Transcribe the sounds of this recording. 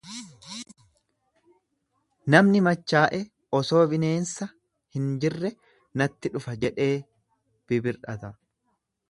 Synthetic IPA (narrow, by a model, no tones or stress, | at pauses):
nɐmnɪmɐt͡ʃːaːʔɛ | ʔɔso̞ːbɪne̞ːnsɐ | hɪnd͡ʒɪrːɛ | nɐt̪ːɪᶑʊfɐd͡ʒɛᶑe̞ː | b̥ɪbɪɾᶑɐt̪ɐ